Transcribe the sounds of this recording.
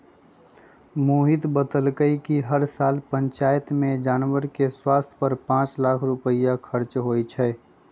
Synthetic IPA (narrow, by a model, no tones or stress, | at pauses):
moːɦɪt̪bət̪əlkəikiɦəɾsaːlpə̃nt͡ʃaːjt̪mẽd͡ʒaːnwəɾkeswaːst̪ʰpəɾpãːt͡ʃlaːkʰɾʊpəɪjakʰəɾt͡ʃɦoːit͡ʃʰɛː